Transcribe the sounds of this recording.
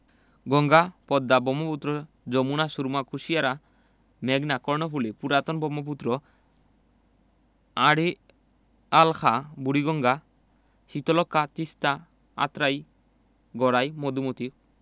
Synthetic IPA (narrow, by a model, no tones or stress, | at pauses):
ɡɔŋɡapɔd̪ːabɔmɔput̪ːɾɔ | d͡ʒɔmunasuɾmakʰusijaɾa | mɛɡnakɔɹnɔfulipuɾat̪ɔnbɔmɔp̬ut̪ːɾɔ | aɽi | alkʰabuɽiɡɔŋɡa | hit̪ɔlɔkːat̪ist̪a | a̰t̪ɾaj | ɡɔɽajmɔd̪umɔt̪i